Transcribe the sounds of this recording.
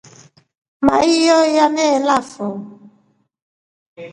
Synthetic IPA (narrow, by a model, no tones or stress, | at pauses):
ma̰ijɔjanɛlafɔ